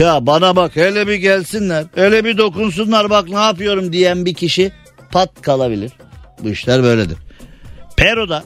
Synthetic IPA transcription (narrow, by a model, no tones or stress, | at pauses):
jaːbanabakelʲɛbiɟælʲsinlʲæɾelʲɛbid̪o̞kuns̬unlˠaɾbaknaːpɯjo̞ɾumd̪ijænbicʰiʃi | pʰat̪̚kʰalˠabilʲiɾ̥buiʃlʲæɾbø̞jlʲed̪ḭɾ̥ | pʰeɾo̞d̪a